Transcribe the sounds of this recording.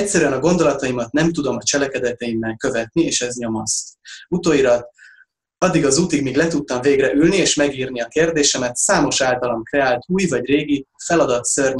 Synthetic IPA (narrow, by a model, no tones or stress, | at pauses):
ɛcsːɛɾyɛnɒɡo̞nd̪o̞lɒt̪ɒjimɒt̪nɛmt̪ud̪o̞mɒt͡ʃɛlɛkɛd̪ɛt̪ɛimːɛlkø̞vɛt̪nieːʃɛzɲo̞most̪ut̪oːiɾɒt̪ | ɒd̪ːiɡɒzuːt̪iɡmiːɡlɛt̪ut̪ːɒɱveːɡrɛʔylnieːʃmɛɡiːrniɒkeːrd̪eːʃɛmɛt̪saːmo̞ʃaːlt̪ɒlɒmkrɛaːlt̪uːjvɒɟreːɡifɛlɒd̪ɒt̪sørɲ